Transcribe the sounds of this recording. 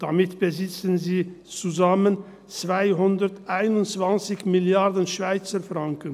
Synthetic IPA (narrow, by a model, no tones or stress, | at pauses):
d̥amɪtb̥əzɪt͡sənziː | t͡suzamən | t͡sv̥aɪɦʊndətʔaɪnʊntt͡sv̥ant͡sɪçmɪljaɐdənʃv̥aɪt͡səfʁaŋkən